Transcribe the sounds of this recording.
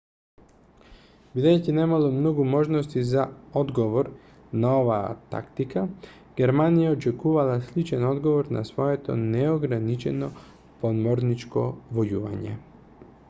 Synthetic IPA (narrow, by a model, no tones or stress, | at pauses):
bid̪ajcinɛmalˠomnoɡumoʒnost̪izaod̪ɡoʋoɾ | naova̰ːt̪a̰kt̪ika | ɡ̥ɛɾmanijaot͡ʃɛkuvalˠaslit͡ʃɛnod̪ɡovoɾna̰sʋoɛt̪o̰nɛoɡɾanit͡ʃɛno | pod̪moɾnit͡ʃko̰vojuva̰ɲɛ̰